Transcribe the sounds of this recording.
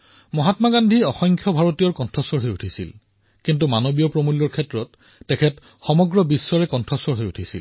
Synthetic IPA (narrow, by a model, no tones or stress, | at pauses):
mɔɦatmaɡandʱiɔxɔŋkʰjɔbʱaɹotijɔɹkɔntʰɔsɔɹɦojutʰisḭl | kint̬umanobijɔpɹomulːɔɹkʰɛtɹɔtː | ɛkʰɛt | xɔmɔɡɹɔbisːɔɹɛkɔntʰɹɔsɔɹɦojutʰisḭl